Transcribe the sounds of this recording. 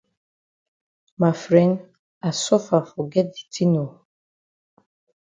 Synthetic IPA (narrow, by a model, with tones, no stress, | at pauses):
ma˨fɾɛ˨˦n | a˨sɔ˦fa˨fo˨ɡɛ˦di̥˨ti˦no˨